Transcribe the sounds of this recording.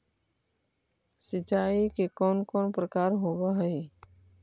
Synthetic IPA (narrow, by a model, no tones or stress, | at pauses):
sɪt͡ʃaːikekɔːnkɔːnpɾəkaːɾɦoːbaɦɛi